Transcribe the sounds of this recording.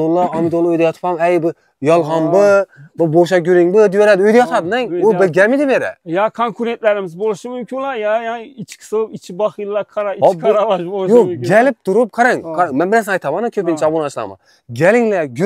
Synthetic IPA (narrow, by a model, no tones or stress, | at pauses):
olˠːɑɑmid̪olˠːɑøjd̪ɛjɑt̪ʰpʰɑmɛjbɪ | jɑlˠʁɑnbɨbʊboʃ̬ɑɡʲyɾiŋbɨd̪yjɛɾæd̪ɪøjd̪ɛjɑt̪ʰɑd̪ɨnɛŋʊbɪɾɡʲɛmid̪ɪbeɾɛ̰jɑkʰoŋkʰuɾent̪læɾɪmɪzbolˠɨʃɨmymkʲʰinlˠɑjɑjɑnit͡ʃʰkʲʰi̥sɨlˠɨpit͡ʃʰibɑχilˠːɑkʰɑɾɑiɾɑlˠɑʃbolˠjoɡʲɛlɪp̚t̪ʰuɾup̚qʰɑɾɑŋkʰɑɾŋmɛnbɪɾæsnɑjt̪ʰɑmɑnɨkʲʰøpint͡ʃʰɑbonɑt͡ʃlˠɑ̰mɑ̰ | ɡʲɛlɪŋlɛɡʲ